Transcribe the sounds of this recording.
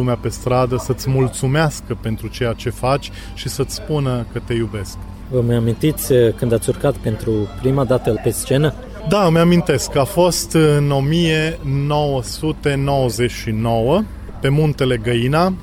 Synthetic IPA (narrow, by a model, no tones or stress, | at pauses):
umeape̞st̪ɾad̪əsət̪sʲmult̪sumeaskəpe̞nt̪ɾut͡ʃe̞jat͡ʃe̞fat͡ʃʲ | ʃisət̪sʲspunəkət̪e̞jube̞sk | vəmajamint̪it̪sʲkɨnd̪at̪sʲurkat̪pe̞nt̪ɾupɾimad̪at̪əpest͡ʃe̞nə | d̪aməjamint̪e̞skafo̞st̪ɨno̞mije̞no̞wəsut̪e̞no̞wəzet͡ʃʲʃino̞wə | pe̞munt̪e̞le̞ɡəina